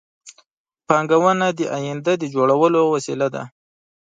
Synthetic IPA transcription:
pɑŋɡawənad̪əʔajɪnd̪ad̪əd͡ʒoɽawəlowasilad̪a̰

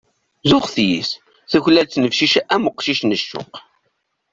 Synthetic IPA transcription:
zʊχθjḭs | θəçlælt͡sːnəfʃiʃæʔæməqːʃiʃnəʃːʊ̰q

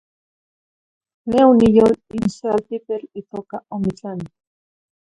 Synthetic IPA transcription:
neunijolinsealt̪ipeɾit̪okaomit͡ɬani

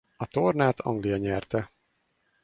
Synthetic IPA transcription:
ɒt̪ornaːt̪ʰɒ̰ŋɡlijɒɲɛrt̪ɛ

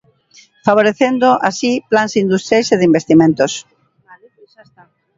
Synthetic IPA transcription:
faβ̞oɾeθend̪oʔasiplansind̪ust̪ɾjajseðimbest̪imẽnt̪os

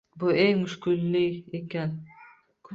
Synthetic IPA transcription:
bʊeŋmʊʃkʲʊlːɪekʲan | kʰ

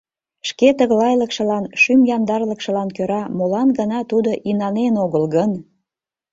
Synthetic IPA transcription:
ʃket̪əɣlɑjləkʃə̆lɑnʃymjɑnd̪ɑrləkʃə̆lɑnkøɾɑmolɑnɡənɑt̪ud̪oʔinɑnenoɣəlɣən

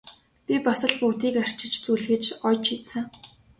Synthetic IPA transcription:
pʲipasə̆ɮput̪iːkar̥t͡ɕɪ̆t͡ɕt͡sujɮxɘ̆t͡ɕɔjt͡ɕʰit̪sɘ̆ŋ

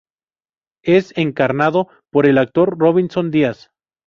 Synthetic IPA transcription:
e̞se̞ŋkaɾnaðo̞ | po̞ɾe̞lak̚t̪o̞ɾroβinso̞nd̪ias

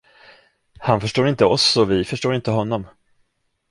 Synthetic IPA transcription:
hanfœʂʈoːɾɪnt̪əɔsːɔvɪfœʂʈoːɾɪnt̪əɦɔnːɔm

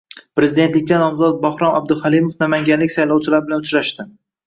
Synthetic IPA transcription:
pɾe̞zɪd̪e̞nt̪lɪk̚ʲːanɒmzɒt̪̚bahɾɒnab̚d̪ɪhalimofnamaŋɡʲanlɪkʲsajlˠɒwt͡ʃʰɪlaɾbɪlanʊt͡ʃɾaʃt̪ɪ

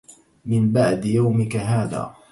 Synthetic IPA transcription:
mɪnbaʕd̪jawmɪkaɦaːða̰ː

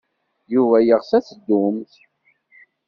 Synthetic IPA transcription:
juvæjəʁsæt͡sd̪ːumθ

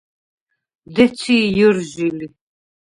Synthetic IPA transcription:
d̪ɛt͡sʰiːjɔɾʒili

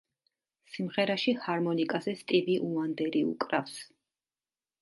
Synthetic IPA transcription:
simʁɛɾaʃihaɾmɔnikʼazɛst̪ʼiviʔuand̪ɛɾiṵkʼɾafs

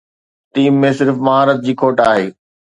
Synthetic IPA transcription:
ʈiːmːẽsɪɾfmɐɦaːɾət̪̚d͡ʑiːkʰoːʈaːɦeː

